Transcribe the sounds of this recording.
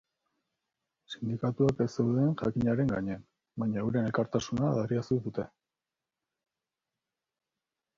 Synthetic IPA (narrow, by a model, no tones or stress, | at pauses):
sind̪ikat̪uakesewðeːnʝakiɲaɾe̞ŋɡa̰ɲe̞an | bajɲaewɾenelkaɾt̪asunaðariasuðut̪e̞